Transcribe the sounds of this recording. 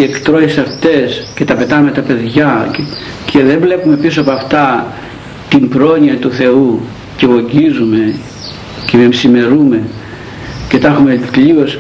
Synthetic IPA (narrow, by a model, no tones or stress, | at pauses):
ie̞kt̪ɾo̞çisɐft̪e̞scet̪ɐpe̞t̪ɐnume̞t̪ɐpe̞ðʝɐ | cʰeðe̞ɱvle̞pume̞pisoɐpoɐft̪ɐ | t̪imbɾo̞niɐt̪uθe̞u | ce̞ɣo̞ɲɟizume̞ | ceemsime̞ɾume̞ | ce̞t̪ɐxumeʎio̞s